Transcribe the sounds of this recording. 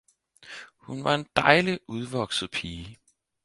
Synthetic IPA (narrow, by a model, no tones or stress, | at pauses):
hunʋɑ̈e̝nd̥ɑ̈ɪliʔuð̞ˠʋɒɡ̥sð̩ˠpʰiː